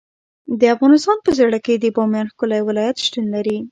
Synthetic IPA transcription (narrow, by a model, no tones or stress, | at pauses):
d̪əafɣɑnɪst̪ɑnpəzeɽəked̪əbɑmjɑnxkolajwɪlɑjat̪ʃt̪unlaɾi